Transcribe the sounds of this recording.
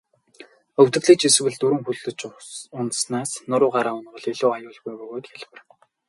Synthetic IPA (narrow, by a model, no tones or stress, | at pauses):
ɵwt̪ɘ̆ɣɮiːkt͡ɕis̆wɘ̆ɮt̪uɾɵ̆ŋxuɮt̪ɵ̆t͡ɕʊnt̪snaːsnʊɾʊːɢaɾaːʊnɢɞ̆ɮiɮʊːajʊːɮɣujpɵɣoːt̪xeɮ̆wɘ̆r